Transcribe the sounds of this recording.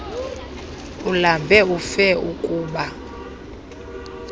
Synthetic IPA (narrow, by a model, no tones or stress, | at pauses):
ulambʱɛufɛukʼuːɓa